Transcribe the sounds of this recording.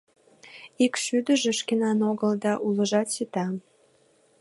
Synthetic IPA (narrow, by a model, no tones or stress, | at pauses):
ikʃyd̪əʒeʃkenɑnoɣəld̪ɑʔuləʒɑt̪ʃit̪ɑ